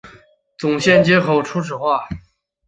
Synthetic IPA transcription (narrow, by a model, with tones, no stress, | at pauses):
t͡sʊ˨˩ŋɕjɛ˥˩˧nt͡ɕjɛ˥xo˥˩ʊʈ͡ʂʰu˥ʈ͡ʂʰɻ̩˨˩xwa˥˩